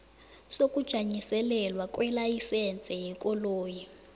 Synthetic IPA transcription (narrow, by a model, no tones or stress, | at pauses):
sokud̥ʒ̥ʱaɲisɛlɛlwakʼwɛlajisɛnt͡sʼɛɦikʼɔloːji